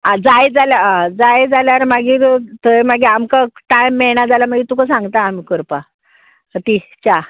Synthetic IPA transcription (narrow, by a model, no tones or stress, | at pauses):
ad͡zajd͡zaljaãd͡zajd͡zaljaɾmaɡiːɾt̪əjmaɡiamkaʈajmːɛɭɳad͡zalam̤aɡiːt̪ukasãŋɡt̪aːmikəɾpa | ət̪it͡ɕa